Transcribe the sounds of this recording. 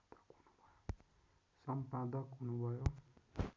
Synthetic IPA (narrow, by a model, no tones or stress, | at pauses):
d̪ʌkɦunubʱʌjo | sʌmpad̪ʌkɦunubʱʌjo